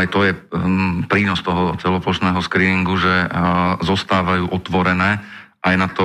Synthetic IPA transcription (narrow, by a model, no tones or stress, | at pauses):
ajt̪ɔjɛpɾiːnɔst̪ɔɦɔt͡sɛlɔplɔʃnɛːɦɔskɾiːniŋɡuʒɛzɔst̪aːʋajuːʔɔt̪ʋɔɾɛnɛː | ʔajnat̪ɔ